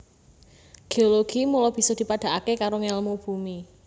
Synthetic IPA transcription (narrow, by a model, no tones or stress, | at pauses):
ɡ̥eoloɡ̥imulɔb̥i̤sɔd̪̥i̤pad̪̥a̤ʔakekaɾoŋelmub̥ṳmi